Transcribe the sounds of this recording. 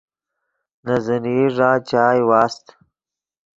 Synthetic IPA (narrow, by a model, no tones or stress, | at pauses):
nazɐniʐaːt͡ɕaːjwaːst̪